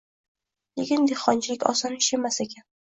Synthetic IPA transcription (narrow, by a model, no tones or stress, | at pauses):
lekʲɪnd̪eχɒnt͡ʃʰɪlɪkʲɒ̰sɒnɪʃemasekʲʰan